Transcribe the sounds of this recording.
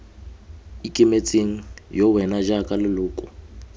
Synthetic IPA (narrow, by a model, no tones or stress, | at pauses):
ikʼɪmet͡sʼeŋ̩jɔwɛnad͡ʒakʼalɪlʊːkʼʊ̰